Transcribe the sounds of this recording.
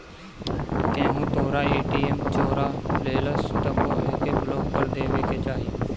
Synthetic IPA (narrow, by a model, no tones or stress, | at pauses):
kẽːɦũːt̪ʰoːɾaːeːʈiːeːmt͡ʃoːɾaːleːləst̪əmoːeːkeːbloːkpəɾd̪eːʋeːkeːt͡ʃaːɦieː